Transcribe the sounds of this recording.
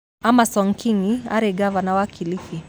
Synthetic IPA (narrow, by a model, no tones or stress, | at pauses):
amasɔŋkʰiŋia̰ɾɛɡavanawakʰilifi